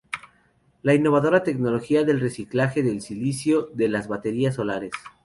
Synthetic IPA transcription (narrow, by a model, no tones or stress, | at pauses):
lainːo̞βaðo̞ɾat̪e̞kno̞lo̞xiaðe̞lre̞siklaxe̞ðe̞lsilisjo̞ðelazβat̪e̞ɾiaso̞laɾe̞s